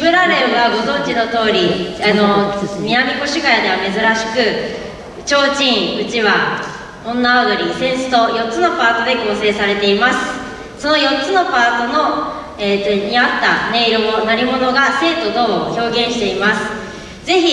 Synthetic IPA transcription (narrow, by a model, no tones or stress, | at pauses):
bɯ̟ɾaɾeɾɯɡaɡo̞zõ̞ɲd͡ʑino̞t̪o̞ːɾʲiano̞mʲinamʲiko̞ɕiɡajad̪e̞βame̞zɨɾaɕi̥kɯ̟ | t͡ɕo̞ːt͡ɕĩɰɯ̟t͡ɕiβa | õ̞nːaad̪oɾʲisẽ̞ɰ̃sɨ̥t̪o̞jo̞tt͡sːɨno̞paːt̪o̞d̪e̞ko̞ːse̞ːsaɾe̞t̪e̞imasɨ̥ | so̞no̞jo̞tt͡sɨno̞paːt̪o̞no̞ | eːt̪oɲiat̪ːane̞iɾomonaɾʲimo̞no̞ɡase̞ːt̪o̞d̪o̞ːoço̞ːɡẽ̞ɰ̃ɕi̥t̪e̞imasɨ̥ | d͡ze̞çi